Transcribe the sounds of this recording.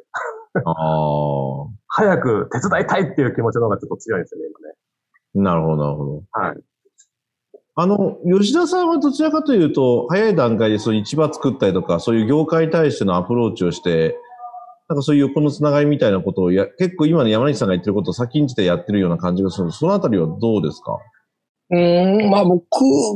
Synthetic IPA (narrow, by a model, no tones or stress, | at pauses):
a | hajakɯ̟t̪e̞t͡sɨd̪ait̪ait̪ːejɯ̟ːkʲimo̞t͡ɕinooɡat͡ɕot̪ːot͡sɨjoĩd̪esɨjoneimane | naɾɯ̟ho̞d̪o̞na̰ɾɯ̟ho̞d̪o̞ha̰ḭ | ano̞jo̞ɕ̬id̪asãɰ̃βad̪o̞t͡ɕiɾakat̪o̞jɯ̟ːt̪o̞hajaid̪ãŋkaid̪e̞so̞nit͡ɕibat͡sɨ̥kɯt̪ːaɾʲit̪o̞kaso̞ːjɯ̟ːɡʲo̞ːkaiɲ̟it̪aiɕi̥t̪e̞noapɯ̟ɾo̞ːt͡ɕio̞ɕi̥t̪e̞ | nãŋkaso̞ːjɯ̟ko̞no̞t͡sɨnaɡaimʲit̪ainako̞t̪o̞ːjake̞kːoːimano̞jamaɲisãŋɡait̪ːeɾɯko̞t̪oːsakʲĩɲ̟t͡ɕi̥t̪e̞jat̪ːe̞ɾɯ̟jo̞ːnakãɲ̟d͡ʑiɡasɨnod̪osono̞at̪aɾʲiβad̪o̞ːd̪e̞sɨ̥ka̰ | ɯ̃mamokʰɯ